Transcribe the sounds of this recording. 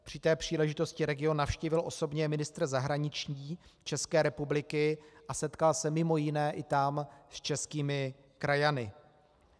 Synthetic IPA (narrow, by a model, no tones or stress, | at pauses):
pr̥ɪt̪ɛːpr̝̥iːlɛʒɪt̪o̞scɪɾɛɡɪo̞nːafʃcivɪlʔo̞so̞bɲɛmɪnɪst̪ɾrzaɦɾaɲɪt͡ʃɲiːt͡ʃɛskɛːɾɛpublɪkɪʔasɛt̪kalsɛmɪmo̞jɪnɛːʔɪt̪amst͡ʃɛskiːmɪ | kɾajanɪ